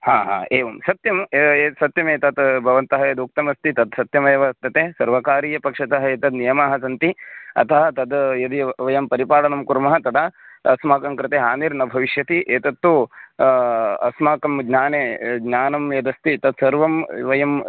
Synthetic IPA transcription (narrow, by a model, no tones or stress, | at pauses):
haːɦa̰ːeːʋɐmsɐt̪jɐmeːsɐt̪jɐmeːt̪ɐt̪bʱɐʋɐnt̪ɐɦɐjɐd̪uk̚t̪ɐmɐst̪it̪ɐd̪sɐt̪jɐmeːʋɐt̪ːɐt̪eːsɐɾʋɐkaːɾiːjɐpɐkʂɐt̪ɐɦɐeːt̪ɐd̪nijɐmaːɦɐsɐnt̪iɐ̰t̪ʰɐɦɐt̪ɐd̪jɐd̪iʋɐjɐmpɐɾipaːɽɐnɐmkuɾmɐɦɐt̪ɐd̪aːɐsmaːkɐmkɾɪt̪eːɦaːniɾnɐbʱɐʋiʃjɐt̪iʔeːt̪ɐt̪ːu | ɐ̰smaːkɐmɡnaːneːɡnaːnɐmjɐd̪ɐst̪it̪ɐd̪sɐɾʋɐmʋɐjɐm